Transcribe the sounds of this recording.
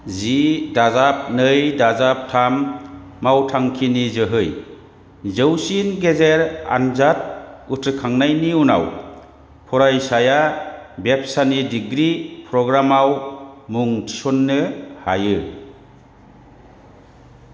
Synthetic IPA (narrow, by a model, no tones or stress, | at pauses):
zidazap̚nɯjdazap̚tʰamː | awtʰaŋkʰinizɯɦɯj | zɯwsinɡezeɾa̰nzat̚utʰɯkʰaŋnajniuna̰w | pʰɔɾajsajabep̚sanidiɡɾipʰɾɔɡɾamawmuŋtʰi̥sɔnːɯhajɯ